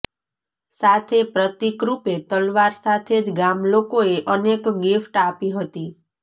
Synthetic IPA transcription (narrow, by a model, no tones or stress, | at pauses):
sat̪ʰepɾət̪ikɾupet̪əlʋaɾsat̪ʰed͡ʒɡamlokoeʔənekɡifʈapiɦət̪i